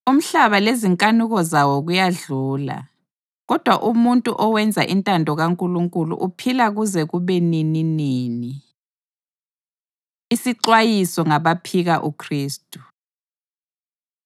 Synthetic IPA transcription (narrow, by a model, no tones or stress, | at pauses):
um̩ɬaβaleziŋkʼanuɣɔzawɔɣujaɮuːla̰ | ɣɔd̥ʱwaʔumuntʼuʔɔwɛnd͡zʱa̰ʔintʼandʱɔɣaŋkʼuluŋkʼulṵʔupʰilaɣuzɛɣuβenininiːni | isiǃwajisɔŋaβapʰiɣaʔukʰriːstʼu̥